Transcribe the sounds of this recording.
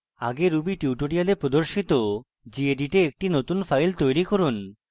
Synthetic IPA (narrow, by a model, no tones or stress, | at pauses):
aɡeɾubiʈiwʈoɽialepɾod̪oɾʃit̪o | d͡ʑieɖiʈeek̚ʈinot̪unfʰajlt̪ojɾikoɾun